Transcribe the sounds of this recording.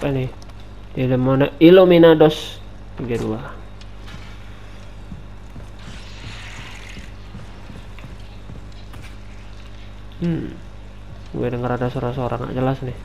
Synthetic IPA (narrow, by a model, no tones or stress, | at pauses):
panɪh | diləmonailominadɔs | t̪iɡadua | ṵɛdəŋəɾadasoɾasoɾaŋa̰ʔd͡ʒəlasnɪh